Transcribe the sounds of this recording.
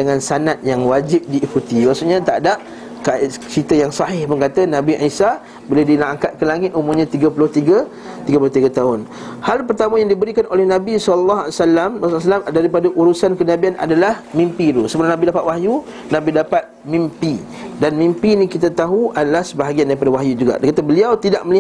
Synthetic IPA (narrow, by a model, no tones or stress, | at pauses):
dəŋãnsanat̪̚jaŋwad͡ʒɪp̚diːkut̪imaksuʔɲat̪adaʔ | kat͡ʃit̪əjaŋsɑɦɪhpʊnkat̪anãbiʔisa | biladinaaŋkat̪̚kəlaŋɪt̪umumɲãt̪iɡəpulʊht̪iɡə | t̪iɡəpulʊht̪iɡat̪aɦʊn | halpərt̪amãjaŋdibəɾikanʔolɛhnãbisɔləlːaɦasalːamrasʊas̬alamdaɾipadaʔuɾusankənãbiana̰dalahmĩmpiɾusəbəlanabidapat̪wahju | nãbidapat̪̚mimpi | danmĩmpinikit̪at̪aɦuadalahsəbaɦaɡiandaɾipadawaɦjud͡ʒuɡa̰ʔdkat̪abəliawt̪idaʔ̚məli